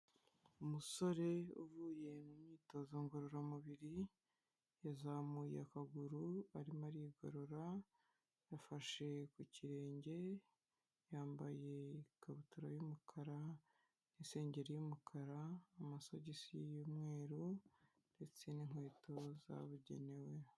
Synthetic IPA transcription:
umuso̞ɾe̞ṵvuːje̞numɲiːto̞zoŋɡoɾoɾamuβiɾi | jazamujakaɡuɾuaɾimaɾiɡo̰ɾo̞ɾa | jafaʃe̞kuciɾe̞ːɲɟe̞ | jaːmbaje̞ɡ̥aβutuɾajumukʰaɾa | ninse̞ːɲɟe̞ɾijumukʰaɾaːmasoɟesijijumŋe̞ːɾu | nd̥e̞t͡se̞niŋ̥we̞ːtʰo̞za̰βuɟe̞̰ne̞we̞

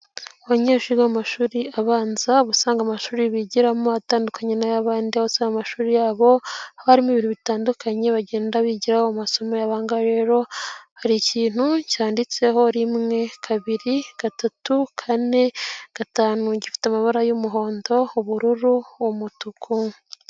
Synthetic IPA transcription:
waɲeːʒiɡamaʃuːɾiaβaːnzaβusaːŋɡamaʃuːɾiβiɟiɾamoataːndukaɲenajaβaːndiaβusaːŋɡamaʃuːɾijaːβo̞haohaɾimiβiɾiβitaːndukaɲe̞βaɟe̞ːndaβiɟiɾahoamaso̞mo̞jaβaːŋɡaɾe̞ːɾo̞haɾiciːn̥hucaːndit͡se̞ɦo̞ɾimŋe̞kʰaβiɾiɡ̥atatukʰane̞ɡ̥ataːnuɟifi̥teamaβaɾajumuɦo̞ːndo̞uβuɾuɾuomutukʰu

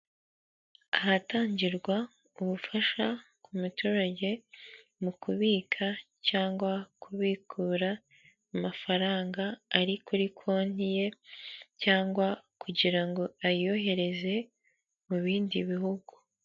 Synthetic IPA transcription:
ahataːɲɟiɾɡwa | uβufaʃa | kumutuːɾaɟe̞ | mukuβiːkʰacaːŋɡwakʰuβikʰuːɾaː | mafaɾaːŋɡaːɾikuɾikʰo̞ːn̥ije̞caːŋɡwakʰuɟiɾaŋɡo̞ajo̞ɦe̞ɾe̞ze̞ | muβiːndiβihuɡu

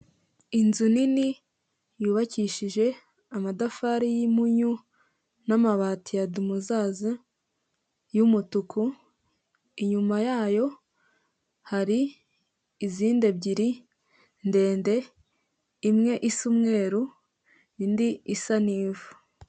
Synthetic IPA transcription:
inzunini | juːβaciːʃiʒe̞ | amadafaɾijimuɲu | namaβaːtijadumuzaza | jumutukʰu | iɲumajaːjo̞ | haɾiː | ziːnde̞bɟiɾi | nde̞ːnde̞ | imŋe̞ʔisumŋe̞ːɾu | indiisaniːvu

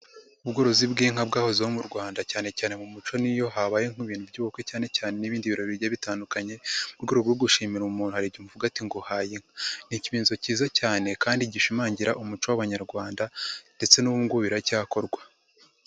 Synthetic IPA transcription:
ubɡo̞ɾo̞zibɡiːŋ̥habɡaːho̞ziwomuɾɡwaːndacaːne̞caːne̞mumut͡ʃo̞nijo̞ɦaβaːjeŋ̥uβiːn̥uvɟuːβukwecaːne̞caːne̞niβiːndiβiɾo̞βiɾjaβitaːndukaɲe̞uɾɡuɾuɡoɡuʃiːmiɾuumuːnhuhaɾiɟimuvuɡatiŋɡo̞hajiŋ̥aniciβiːnzociːzacaːne̞kaːndiɟiʃimaːɲɟiɾaʔumut͡ʃowaβaɲaɾɡwaːndande̞t͡senuβuŋɡuβiɾacaːko̞ɾɡwa

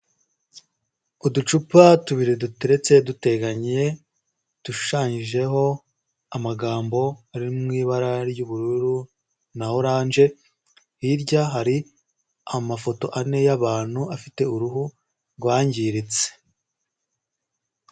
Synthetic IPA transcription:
udut͡ʃupatuβiɾeduteɾe̞t͡se̞dute̞ɡaɲie̞ | d̥uʃu̥ʃaːɲiʒe̞ɦo̞ | amaɡaːmbo̞aɾimŋiːβaɾaɾjuβuɾuɾu | nahoɾaːnʒe̞ | hiɾɟaɦaɾi | amafo̞to̞ʔane̞jaβaːn̥huafite̞uɾuɦu | ɾɡwaːɲɟiɾit͡se̥

